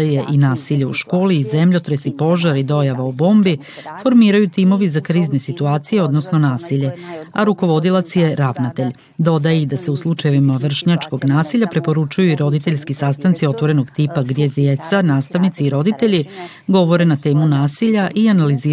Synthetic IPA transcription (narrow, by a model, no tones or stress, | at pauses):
jeʔinaːsiʎeṵʃko̞ːliːzemʎo̞t̪ɾesipo̞ʒaɾid̪o̞jaʋaubo̞ːmbi | fo̞ɾmiːɾajut̪iːmo̞ʋizakɾiːzne̞sit̪uaːt̪sije̞o̞d̪nosnonaːsiʎe̞aɾuko̞ʋo̞d̪ilˠat̪sje̞ɾaʋnat̪e̞ʎ | d̪o̞d̪ajid̪ase̞uslˠut͡ʃajeʋimaʋr̩ʃɲat͡ʃko̞ɡnaːsiʎʲapɾepo̞ɾut͡ʃujuiɾo̞d̪it̪e̞ʎskisast̪ant̪sio̞t̪ʋo̞ɾe̞noɡt̪ipaɡd̪jed̪jet̪sanaːst̪aʋnit̪siːɾo̞d̪it̪e̞ʎi | ɡo̞ʋo̞ɾe̞nat̪e̞ːmunaːsiʎaʔianaliziː